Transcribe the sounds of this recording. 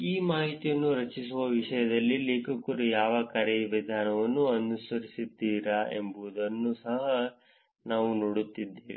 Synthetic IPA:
iːmaːɦit̪ijɐnːuɾɐt͡ʃisuʋɐʋiʂɐjɐd̪ɐlːileːkɐkːuɾɐjaːʋɐkɐɾɛjɐʋid̪ʱaːnɐʋɐnːuɐnusɐɾisid̪ːiːɾɐḛmbuʋud̪ɐnːusɐɦɐ | naːʋunoːɽut̪ːid̪ːeːʋḭ

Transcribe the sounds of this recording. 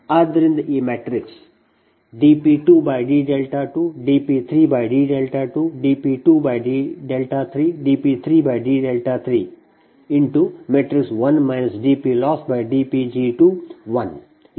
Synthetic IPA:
ad̪əɾɪ̃nd̪əʔeːmɛʈɾɪks | ɖiːpiːʈuːbaɪɖiːɖelʈaʈuːɖiːpiːt̪ʰɾiːbaɪɖiːɖelʈaʈuːɖiːpiːʈuːbaɪɖiːɖelʈat̪ʰɾiːɖiːpiːt̪ʰɾiːbaɪɖiːɖelʈat̪ʰɾiː | ɪ̃ɳʈumeʈɾɪksʋɐ̃nmãɪnəsɖiːpilɔːsʈ̚baɪɖiːpid͡ʒiːʈuːʋɐ̃n

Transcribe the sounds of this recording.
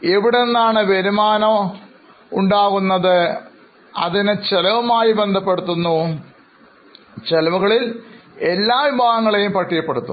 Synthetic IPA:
eʋiɽenːaːɳɨʋeɾumaːnɐ | uɳɖaːɣunːɐðɨ | ɐ̰ðinɨt͡ɕelɐʋɐmaːjibe̞nd̪ʱɐpːe̞ɽut̪ːunːu | t͡ɕelɐʋɐɣɐɭile̞lːaːʋibʱaːɣɐŋːɐɭe̞jumpɐʈʰːijɐpːe̞ɽut̪ːṵ

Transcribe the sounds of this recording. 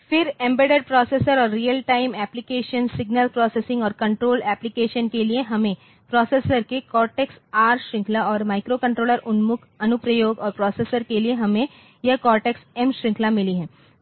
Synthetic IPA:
fɪɾɛ̃mbeɖeɖ̚pɾɔːsesəɾɔːɾːijəlʈaːɪmɛːplɪkeːʃənsɪɡnəlpɾɔːseːsɪ̃ŋɡɔːɾkɐ̃ɳʈɾoːlɛːplɪkeːʃənkelieɦɐmẽ | pɾɔːseːsəɾkekɔːɾʈeksaːɾʃɾɪ̃ŋklaɔːɾmaːɪkɾokɐ̃ɳʈɾoːləɾʊnmʊkʰɐnʊpɾəjoːɡɔːɾpɾɔːsesəɾkelieɦɐmẽ | jɐkɔːɾʈeksɛmʃɾɪ̃ŋklamɪliɦɛ̃ː

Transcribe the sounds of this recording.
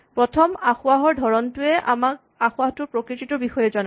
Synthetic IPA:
pɹɔtʰɔmaxʊaɦɔɹdʱɔɹɔntʊɛʔa̰mak̚ | axʊaɦɔtʊpɹɔkɹititɔbixɔjɛzɔna

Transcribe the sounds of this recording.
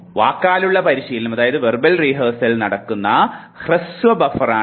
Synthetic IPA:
ʋaːkːaːluɭːɐpɐɾiɕiːlɐmɐðaːjɐðɨʋerbɐlriːɦɐːrsɐlnɐɽɐkːunːɐ | hrɨsʋɐbɐfɐraː

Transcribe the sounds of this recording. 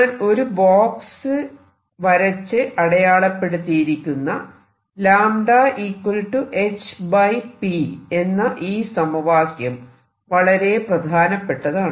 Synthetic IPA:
ɳɐno̞ɾuboːksɨ | ʋɐɾɐt͡ɕːɨʔɐɽɐjaːɭɐpːe̞ɽut̪ːijiɾikʲːunːɐ | laːmɖaːʔiːkwɐlʈːuʔe̞t͡ɕːbɐjpie̞nːɐʔiːsɐmɐʋaːsjɐm | ʋɐɭɐɾe̞prɐd̪ʱaːnɐpːe̞ʈːɐðaːɳ

